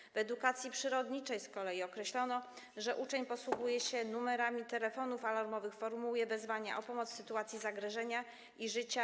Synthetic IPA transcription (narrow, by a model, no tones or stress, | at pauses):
vɛd̪ukat̪sʲjipʂɘɾɔd̪ɲit͡ʂɛjskɔlɛjiɔkɾɛɕlɔnɔ | ʐɛʔut͡ʂɛɲpɔswuɡujɛɕɛnumɛɾamʲit̪ɛlɛfɔnufalaɾmɔvɘxfɔɾmuujɛvɛzvaɲa̰ʔɔpɔmɔt̪ssɘt̪uat̪sʲjizaɡɾɛʐɛɲa | iʐɘt͡ɕa